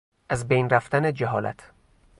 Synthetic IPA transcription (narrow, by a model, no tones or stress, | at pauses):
ʔæzbejnræft̪æned͡ʒæɦɒ̰ːlæ̰t̪ʰ